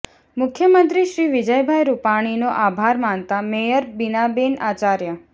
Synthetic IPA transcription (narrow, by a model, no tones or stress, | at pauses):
mʊkʰjəmənt̪ɾiʃɾiʋɪd͡ʒəjbʱajɾupaɽ̃inoʔabʱaɾmant̪amejəɾbinabenat͡ʃaɾjə